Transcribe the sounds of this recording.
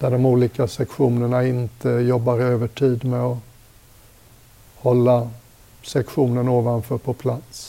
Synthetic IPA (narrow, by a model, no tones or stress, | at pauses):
d̪̥æɖɔmuːliːkasɛkɧuːnəɳaɪnt̪ʰəjɔbːaɾøːvəʈʰiːd̪mɛɔ | hɔlːa | sɛkɧuːnənoːvanfœːɾpʰɔpʰlat̪s